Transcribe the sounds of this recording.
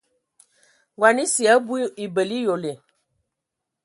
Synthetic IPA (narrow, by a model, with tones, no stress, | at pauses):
wa˨nĩ˦si˨a˨˦bu˦i˨bə˨li˦jo˨le˨